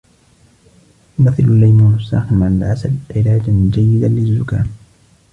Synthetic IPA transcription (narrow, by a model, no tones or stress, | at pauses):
jʊmaθːɪlʊlːajmuːnʊsːa̰ːxɪmʕanalʕasabʕɪlaːd͡ʒad͡ʒajːɪd̪alɪzːʊkaːn